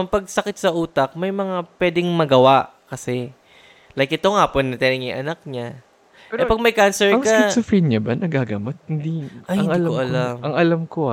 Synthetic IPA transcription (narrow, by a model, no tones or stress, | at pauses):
ɐŋpɐɡ̚sɐkɪt̪̚sɐʔuːt̪ɐk̚mɐjmɐŋapwɛːd̪ɪŋmɐɡɐwaʔkɐsɛ | lajk̚ʔɪt̪o̞ŋhaːponːɐt̪ɛnɪŋɪŋʔɐnak̚ɲa | ʔɛpɐɡ̚mɐjkansɛɹɐŋkɐɛsʊfinɲɐbɐnɐɡaɡamot̪̚hɪnd̪iʔɐɪɐnŋɐlkoʔɐlamɐŋɐlamko